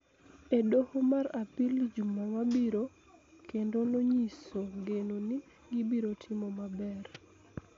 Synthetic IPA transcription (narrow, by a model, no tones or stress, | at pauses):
edohomaɾapilid͡ʒumamabiɾo | kʰendonoɲisoɡenoni | ɡibiɾotʰɪmomabɛr